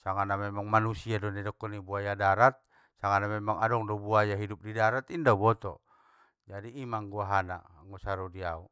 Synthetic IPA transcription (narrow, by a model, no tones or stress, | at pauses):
saŋanamɛmaŋmanusiadɔnɛdɔkːɔnibuajadaɾat̪̚ | saŋanamɛmaŋadɔŋdɔbuajaɦidup̚didaɾat̪indabɔt̪ɔ̰ | d͡ʒadiːmaŋɡuaɦana̰ | ŋɔsaɾɔdiau